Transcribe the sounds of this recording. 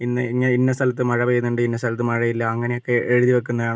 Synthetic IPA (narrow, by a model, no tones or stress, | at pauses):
inːɨiŋːɐeinːɐst̪ʰɐlɐt̪ːɨmɐɻɐʋejnːuɳɖɨinːɐst̪ɐlɐt̪ːɨmɐɻɐjilːɐːŋːɐne̞jo̞kːe̞ʔeɻuðiʋɐk̬ːunːɐðaːɳ